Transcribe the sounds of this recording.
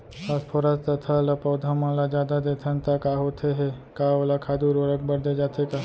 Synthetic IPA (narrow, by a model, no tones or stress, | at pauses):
aspʰoɾast̪ɐt̪ʰaləpəːd̪ʱamalad͡ʒjaːd̪ad̪eːt̪ʰənt̪akaɦot̪ʰeɦe | kaolakʰaːd̪uɾəɾək̚bəɾd̪ed͡ʒaːt̪ʰeka